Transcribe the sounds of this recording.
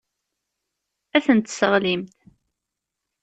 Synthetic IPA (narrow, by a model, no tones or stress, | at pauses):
æθənt̪səʁlimt̪